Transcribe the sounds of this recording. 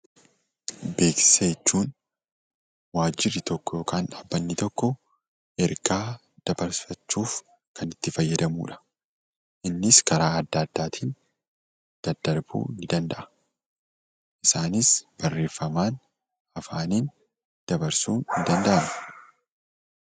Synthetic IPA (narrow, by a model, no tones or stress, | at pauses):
be̞ːksɐɛt͡ʃːuːn | waːd͡ʒːɪrːɪt̪ɔkːɔjo̞ːkaːnɐbːɐnːɪt̪ɔkːɔ | ɛɾɡaː | d̪̥ɐbɐɾfɐt͡ʃːuːf | kɐnɪt̪ːɪfɐjːɐd̪ɐmṵːᶑɐ̥ | ʔɪnːɪskɐɾaːɐd̪ːɐːd̪ːaːt̪ʰiːn | d̪̥ɐd̪ːɐɾbṵːɪnd̪ɐnd̪ɐʔɐ̥ | ʔɪsaːnɪsb̥ɐrːe̞ːfːɐmaːn | ɐfaːniːn | d̪̥ɐbɐɾsuːnɪnd̪ɐnd̪ɐʔɐnɛ̥